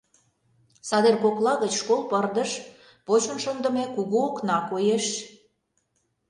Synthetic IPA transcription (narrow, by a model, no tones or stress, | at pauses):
sɑd̪erkoklɑɣət͡ɕʃkolˠpərd̪ə̆ʃ | pot͡ɕə̆nʃənd̪ə̆mekuɣuoknɑkojeʃ